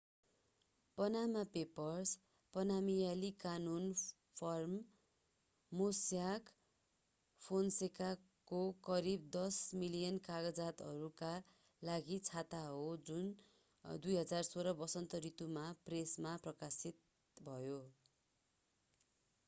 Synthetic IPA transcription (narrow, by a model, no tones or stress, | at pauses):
pʌnamapepʌrs | pʌnamijalikanun | pʰʌrm | osjak | pʰonseka | kokʌɾib̚d̪ʌsmilijʌnkaɡʌd͡zat̪ʌɾuka | laɡit͡sʰat̪aɦod͡zun | d̪ujɦʌd͡zarsoɾʌbʌsʌnt̪ʌɾit̪umapresmaprʌkasit̪̚ | bʱʌjo